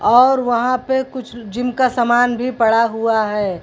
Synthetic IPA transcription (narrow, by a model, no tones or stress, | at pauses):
ɔːɾʋɐɦãpekʊt͡ʃʰd͡ʒɪmkasəmaːnbʱipɐɽaɦuaɦɛː